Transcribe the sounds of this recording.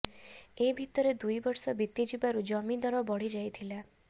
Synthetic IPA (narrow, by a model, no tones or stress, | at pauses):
ebʱit̪ɔɾed̪ujbɔɾsɔbit̪ːid͡ʒubaɾud͡ʒɔmid̪ɔɾɔbɔɽid͡ʒajt̪ʰila